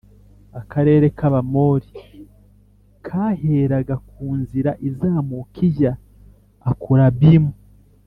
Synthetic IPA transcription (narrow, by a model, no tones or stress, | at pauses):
akaɾe̞ːɾe̞kaβamo̞ːɾi | kʰaːheːɾaɡakuːnziɾaʔizaːmukʰijaː | kuɾaβimu